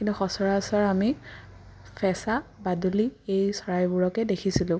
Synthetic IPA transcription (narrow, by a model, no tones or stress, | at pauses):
kintuxɔsɔɹasaɹami | fʰɛsabaduliejsɔɹajbuɹɔkɛdekʰisilʊ̃